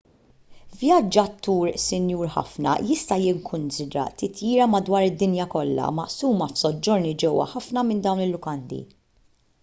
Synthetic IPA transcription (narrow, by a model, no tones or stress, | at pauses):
vjɐd͡ʒːɐt̪ːuːɾsɪnjuːɾħɐ̰fnɐ̰jɪst̪ɐjɪŋkʰʊnsɪd̪ɾɐ̰t̪ɪt̪jiːɾɐmɐd̪wɐːɾɪd̪ːɪnjɐkɔlːɐ̰mɐ̰ʔsuːmɐfsɔd͡ʒːɔɾnid͡ʒɛwːɐ̰ħɐfnɐmɪnd̪ɐwnɪlːʊkɐnd̪ḭ